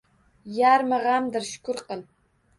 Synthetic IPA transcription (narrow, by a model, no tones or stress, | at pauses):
jaɾmɨʁamd̪ɨɾʃʊ̥kʊɾqəl